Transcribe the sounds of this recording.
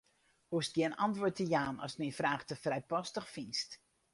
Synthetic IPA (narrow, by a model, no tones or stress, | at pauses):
hustɡ̥jɛnɑ̰ntʋotəjaːnɔ̰smifraːxtəfrɛjpɔstəxfinst